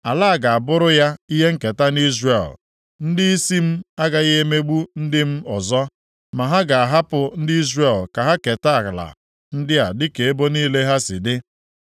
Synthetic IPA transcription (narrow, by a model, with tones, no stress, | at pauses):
a˨laː˦˨ɡa˨a˨bʊ˦ɾʊ˦ja˦i˦ɦe˦ŋ̩˦ke˨ta˦ni˦zre˨l | n̩˦dɪ˦i˦si˦m̩˦a˦ɡa˨ɣe˦e˦me˦ɡ͡bu˦n̩˦dɪ˦m̩˦ɔ˨zɔ˦ | ma˨ɦa˦ɡa˨a˨ɦa˦pʊ˨n̩˦dɪ˦i˦zre˨lka˨ɦa˦ke˨ta˦a˨ɣla̰˨ | n̩˦dɪ˦a˨dɪ˦ke˨e˦bo˦niː˦le˦ɦa˦sɪ˨dɪ˦